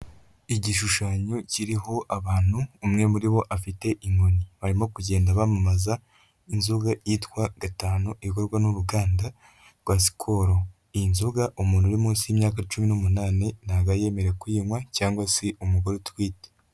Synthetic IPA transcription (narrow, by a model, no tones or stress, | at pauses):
iɟiʃuʃaɲociɾiɦo̞ʔaβaːn̥huːmŋe̞muɾiβo̞ʔafite̞ʔiŋɡoɲiβaɾimo̞kuɟe̞ːndaβamamaza | inzuɡajiːtwaɡ̥ataːnuʔiko̞ɾɡwanuɾuɡaːnda | ɡ̥waːs̬i̥kʰoɾo | iinzuɡaʔumuːnhuɾimuːnsimɲaːkat͡ʃuminomunaːnenaɡaje̞ːme̞ɾe̞kuiːmwacaːŋɡwase̞ʔumuɡoɾotwiːte̥